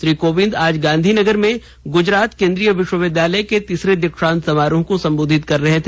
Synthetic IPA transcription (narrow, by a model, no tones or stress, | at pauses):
ʃɾiːkoːʋɪ̃nd̪aːd͡ʒɡãːnd̪ʱinɐɡəɾmẽ | ɡʊd͡ʒɾaːt̪kẽːnd̪ɾijəʋɪʃwəʋɪd̪ʱjaːləjket̪iːsɾed̪ɐkʃãːnt̪sɐmaːɾõkosɐ̃mboːd̪ʱɪt̪kɐɾːɐɦet̪ʰː